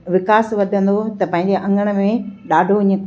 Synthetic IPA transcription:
ʋɪkaːsʋɐd̪ʱə̃nd̪ot̪ɐpɐ̃ɦɪ̃ɲ̆d͡ʑeʔɐ̃ŋɡəɽ̃̆mẽɗaːɖʱoɪ̃ɲə̆

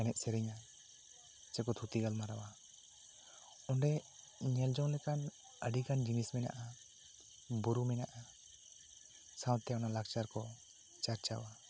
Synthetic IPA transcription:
ɛnɛʔ̪̚sɛɾɛɲa | t͡ʃɛkɔt̪ʰut̪iɡalmaɾawa | ɔɳɖɛ | ɲɛld͡ʒɔw̃lɛkan | əɖikand͡ʒinismɛna̰ʔa | buɾumɛnaʔa | sãwt̪ɛɔnalak̚t͡ʃaɾkɔ | t͡ʃaɾt͡ʃa̰wa

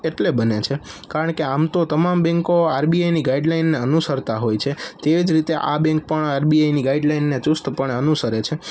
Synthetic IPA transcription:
eʈlebənet͡ʃʰekaɾəɳkeamt̪ot̪əmambɛ̃ŋkoaɾbiajniɡaiɖlainːeənusəɾt̪aɦojt͡ʃʰet̪eʋid͡ʒɾit̪eʔa̰bɛ̃ŋk̚pəɳaɾbiajniɡaiɖlainːet͡ʃʊst̪pəɳənusəɾet͡ʃʰe

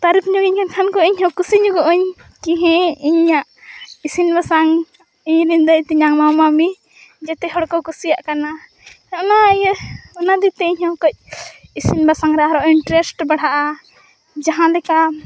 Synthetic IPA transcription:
t̪aɾipɲuɡiɲkankʰankɔiɲɦɔ̃kusiɲuɡɔʔɔɲ | kiɦɛ̃iɲaʔ | isinbasaŋ | iɲɾind̪əjt̪iɲaŋmamami | d͡ʒɛt̪ɛɦɔɽkɔkusijaʔkana | naʔnaɲɔnad̪it̪ɛiɲhɔ̃kɔc̚isinbasaŋɾɛaɾɔʔinɳʈɾɛsʈbaɽ̤aʔa | d͡ʒaɦãlɛka

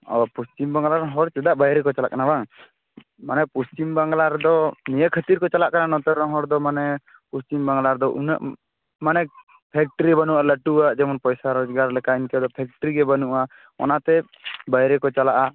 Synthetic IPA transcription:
ɔpust͡ʃimbaŋɡlaɾɦɔɾt͡ʃɛd̪aʔbajɾɛkɔt͡ʃala̰ʔkanabaŋ | manɛpust͡ʃimbaŋɡlaɾd̪ɔnijəkʰət̪iɾkɔt͡ʃalaʔkananɔt̪ɛɾɔɦɔɾd̪ɔmanɛ | pust͡ʃimbaŋɡlaɾd̪ɔʔuna̰ʔ | manɛ | pʰɛk̚ʈəɾibanuʔaləʈuaʔd͡ʒɛmɔnpɔjsaɾɔd͡ʒɡaɾlɛkainkɛd̪ɔpʰɛk̚ʈəɾiɡɛbanuʔa | ɔ̰nat̪ɛ | bajɾɛkɔt͡ʃalaʔa

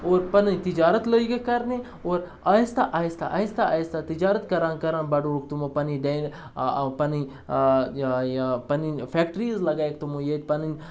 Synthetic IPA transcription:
oːɾpɐnint̪id͡ʒaːɾət̪ləiɡekɐɾne | oːɾ | aːist̪aʔaːist̪a̰ʔaːist̪aajist̪at̪id͡ʒaːɾət̪kɐɾãːnkɐɾãːnbɐɖoːuk̚t̪umopɐniɖeːn | pɐni | pɐnifʰeːk̚ʈɾiːzlɐɡaːek̚t̪umojet̪ʲpɐninʲ

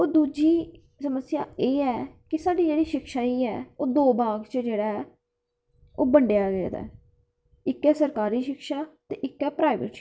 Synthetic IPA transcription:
oːd̪uːd͡ʒiː | səməsja̰ːeːɛːkɪsaːɖiːd͡ʒeːɽiːʃɪkʃaːiːɛ̰ːoːd̪oːbaːɡt͡ʃəd͡ʒeːɽaːɛː | oːbəɳɖejaːɡeːd̪a̰ːɛ | ɪkːɛːsəɾkaːɾiːʃɪkʃaːt̪eːʔɪkːɛːpɾaːɪʋə̰ʈʃ

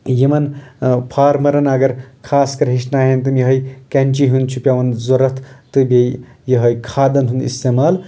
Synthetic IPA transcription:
jimɐnpʰaːɾmɐɾɐnɐɡɐɾkʰaːskɐɾɦiʃnaːɦent̪ɨmjɐɦɐjkɐnʲt͡ʃiɦund̪t͡ʃʰupʲjaʋɐnzoɾɐt̪ʰt̪ɨbej | jɐɦɐjkʰaːd̪ɐnɦund̪ḭst̪emaːl

